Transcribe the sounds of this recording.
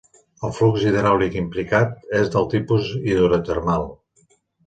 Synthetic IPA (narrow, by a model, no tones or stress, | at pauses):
əlˠflukziðəɾalikimplikat̪̚ezðəlˠt̪ipuziðuɾət̪ərmalˠ